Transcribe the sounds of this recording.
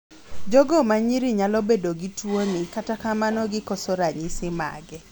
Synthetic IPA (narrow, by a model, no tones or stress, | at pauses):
d͡ʒɔɡɔmaɲiɾiɲalɔbedoɡitwonɪkatakamanɔɡɪkɔsoɾaɲisɪma̰ɡɛ